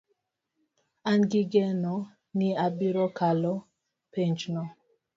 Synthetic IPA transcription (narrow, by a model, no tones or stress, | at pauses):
anɡiɡɛnɔ | niabiɾɔkalɔ | pɛnt͡ʃnɔ